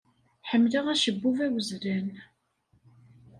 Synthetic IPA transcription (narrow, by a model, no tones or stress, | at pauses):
ħəmːlaʁæʃəbːuvæwəzɾæn